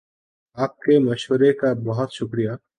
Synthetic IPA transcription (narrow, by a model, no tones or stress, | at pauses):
aːp̚kemɐʃwəɾekabɐɦʊt̪ʃʊkɾija